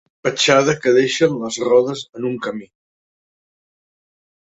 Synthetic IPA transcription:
pət͡ʃað̞əkəðeʃənləzrɔðəzənuŋkəmi

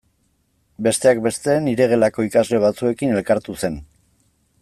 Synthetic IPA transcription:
be̞st̪e̞ak̚be̞st̪eniɾe̞ɣ̞e̞lako̞ikazle̞β̞at͡sue̞kine̞lkaɾt̪use̞n

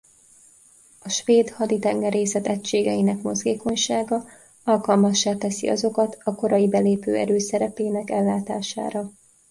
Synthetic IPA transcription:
ɒʃʋeːd̪hɒd̪it̪ɛŋɡɛɾeːsɛt̪ɛcʃeːɡɛjinɛkmo̞zɡeːko̞ɲʃaːɡɒ | ɒlkɒlmɒʃːaːt̪ɛsḭɒ̰zo̞kɒt̪ɒko̞ɾɒjibɛleːpø̰ːɛ̰ɾøːsɛɾɛpeːnɛkɛlːaːt̪aːʃa̰ːɾɒ

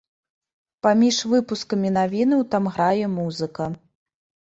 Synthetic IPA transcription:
pamʲiʂvɨpuskɐmʲinavʲinɨwt̪amɣɾajɛmuzɨkɐ

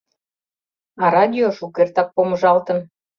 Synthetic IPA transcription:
ɑɾɑd̪ʲioʃukert̪ɑk̚poməʒɑlt̪ə̆n

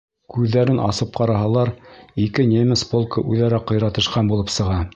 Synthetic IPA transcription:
kʉðːæɾɘnʔɑ̰sɤp̚qɑɾɑɦɑlˠɑɾikɘnʲemʲɘspolˠkɤʔʉðæɾæqːɤ̆jɾɑt̪ɤ̆ʃqɑnbulˠɤpsɤ̆ʁɑ

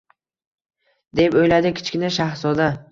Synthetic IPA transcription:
d̪e̞pojlad̪ɪkʲʰɪ̥t͡ʃkʲɪnaʃahsɒd̪a

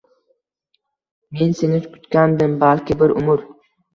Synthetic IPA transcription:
me̞nsenɪkʰʊ̥t̪kʲand̪ɪmbalkʲɪbɪɾʔʊ̰mʊɾ

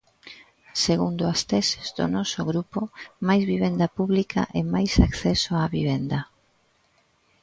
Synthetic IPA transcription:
seɣund̪ʊast̪ɛsezd̪o̰nɔsoɣɾupomajzβiβ̞end̪apuβlika̰ʔemajsakθɛsoaβiβ̞end̪ɐ

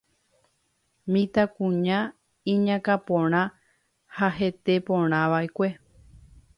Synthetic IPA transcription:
mĩt̪akũɲã | ĩɲãkapõɾ̃ã | haɦet̪e̞põɾ̃ãʋaekʷe̞

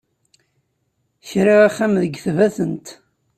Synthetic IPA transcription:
çɾiʁæχːæmðəɡθvæθənt̪

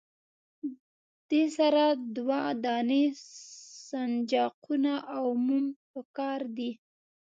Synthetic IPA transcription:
d̪̥esaɾad̪wad̪ɑne | sand͡ʒɑqʰunaʔawmumpəkɑɾd̪i

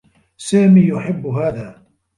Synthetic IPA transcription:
saːmiːjʊħɪbːʊɦaːðaː

